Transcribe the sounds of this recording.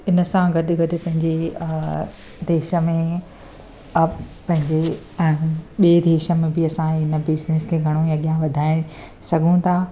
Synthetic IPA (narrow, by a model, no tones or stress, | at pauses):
ɪnə̆sãɡɐɗɪɡɐɗʊ̆pɐ̃ɦɪ̃ɲd͡ʑe | d̪eːʃə̆mẽ | pɐ̃ɦɪ̃ɲd͡ʑẽː | ɓied̪eːʃə̆mẽbɪɐsãɪnəbɪzneskʰeɡʱɐɽ̃ojãɠijãʋɐd̪ʱaːɪɽ̃ | sɐɡʱũt̪ʰaː